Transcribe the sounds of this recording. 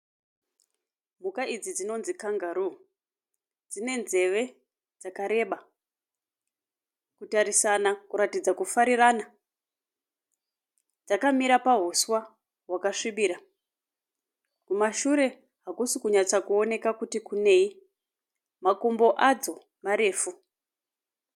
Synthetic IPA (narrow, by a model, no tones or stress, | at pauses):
m̤ukaid͡zid͡zino̞nzikaŋɡaɾu | d͡zine̞nze̞ʋe̞ | d͡zakaɾe̞ɓa | kutaɾisanakuɾatid͡zakufaɾirana | d͡zakamiɾapaɦoswa | ɦwakaʂiɓiːɾa | kumaʃuɾe̞ | ɦakusikuɲat͡sakuone̞kakutikune̞i | makombo̞ʔad͡zo̞ | maɾe̞ːfu